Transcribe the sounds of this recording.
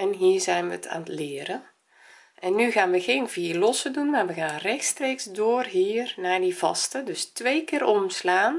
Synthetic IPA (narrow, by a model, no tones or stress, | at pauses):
ɛnɦiːɹzɛjnʋətʰa̰ːnətlɪːɾən | ʔɛnːyɣaːnʋəɣeːnviːlɔsədunmaːɹʋəɣaːnrɛxtstreːksdoːrɦiːrnaːɹdivɑ̰stədɵstʋejkɪːɾɔmslaːn